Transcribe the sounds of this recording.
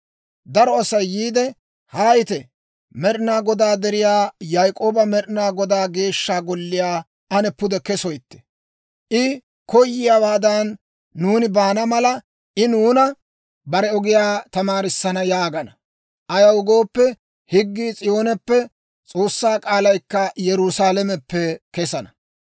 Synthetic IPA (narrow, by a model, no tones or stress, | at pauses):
d̪ɐɾɔɐsɐjːiːd̪ɛ | haːjɪt̪ɛ | mɛɾɪnaːɡɔd̪aːd̪ɛɾɪjaːjajkʼo̞ːbɐmɛɾɪnaːɡɔd̪aːɡe̞ːʃːaːɡɔlːɪjaː | ʔɐnɛpːʊd̪ɛkɛsɔjt̪ːɛ̥ | ʔɪ | kɔjːɪjawaːd̪ɐnː | uːnɪbaːnɐmɐlɐ | ʔɪnuːnɐ | bɐɾɛɔɡɪjaːt̪ɐmaːɾɪsːɐnɐjaːɡɐnɐ | ʔɐjɐwʊɡo̞ːpːɛ | hɪɡːiːt͡sʼɪjo̞ːnɛpːɛ | t͡sʼo̞ːsːaːkʼaːlɐjkːɐjɛɾʊsaːlɛmɛpːɛkɛsɐnɐ